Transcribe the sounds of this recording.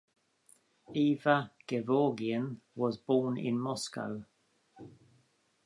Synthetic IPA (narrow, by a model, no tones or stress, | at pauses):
iːvəɡ̥ɛvɔːɡiə̃n | wɒzboːnɪ̰̃nmɔska̰ʊ